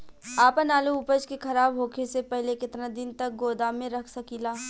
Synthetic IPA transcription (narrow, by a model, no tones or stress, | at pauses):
aːpənaːluʊpəd͡ʒkekʰɐɾaːbɦoːkʰesepɛɦlekɪt̪nad̪ɪnt̪ɐk̚ɡoːd̪aːmẽɾɐkʰsɐkilaː